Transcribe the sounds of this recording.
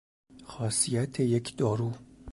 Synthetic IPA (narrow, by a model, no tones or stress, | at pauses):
xɒːsijæt̪ʰejecʰd̪̥ɒːɾuː